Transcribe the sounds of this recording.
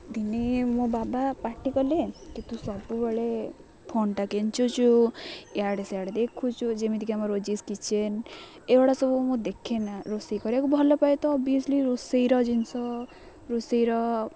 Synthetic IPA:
d̪inemõbabapaʈʰikɔlekit̪usɔbubɔɭe | pʰoɳʈakent͡ʃut͡ʃʰujaɽeseaɽed̪ekʰut͡ʃʰud͡ʒemid̪ʱikiamɔɾod͡ʒiskit͡ʃʰen | eɔɽasɔbumũd̪ekʰenaɾosejkɔɾiakubʱɔlɔpajt̪ɔːbiɔsliɾosejɾɔd͡ʒinsɔ | ɾosejɾɔ

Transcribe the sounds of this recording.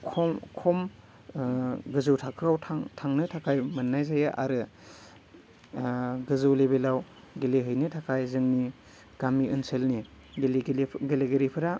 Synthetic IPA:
kʰɔmkʰɔm | ɡɯzɯwtʰakʰɯawtʰaŋtʰaŋnɯtʰakʰajmɯnːajzajaʔa̰ɾɯ | ɡɯzɯwlebelaw | ɡeleɦɯjnɯtʰakʰajzɯŋni | ɡ̥amiɯnsʰelni | ɡlɡɡeleɡeɾipʰɯɾa

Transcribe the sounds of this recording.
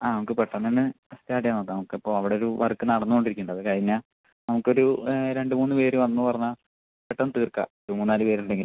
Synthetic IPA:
aːnɐmukːɨpeʈːɐnːenːɨ | ɐst̪jaːʈijaːnoðɨnɐmukːɨipːo̞ːɐʋiɽeo̞ɾuʋɐ̰rkːɨnɐɽɐnːuko̞ɳɖiɾikʲːuɳɖɐðɨkɐɻiɲːa | nɐmukːo̞ɾuɾe̞ɳɖɨmuːnːɨpe̞ːɾuʋɐnːɨpɐrɐɲːa | peʈːɐnːɨt̪iːrka̰oɾumuːnːaːlupe̞ːɾuɳɖeŋɡil

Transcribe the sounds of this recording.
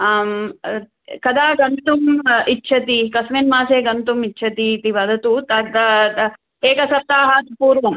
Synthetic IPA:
m | kɐd̪aːɡɐnt̪umitːʃʰɐt̪ikɐsmenmaːseːɡɐnt̪umitːt͡ʃʰɐt̪it̪iʋɐd̪ɐt̪ut̪ɐt̪ɐ | eːkɐsɐp̚t̪aːɦaːt̪puːɾʋɐm

